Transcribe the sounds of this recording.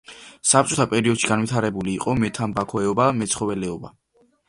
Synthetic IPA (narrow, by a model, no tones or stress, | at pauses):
sapt͡ʃʼɔt̪ʰapʼɛɾiɔd̪̥ʃiɡanvit̪ʰaɾɛbuliːqʼɔmɛt̪ʰambakʰɔɛɔbamɛt̪sʰχɔvɛlɛɔba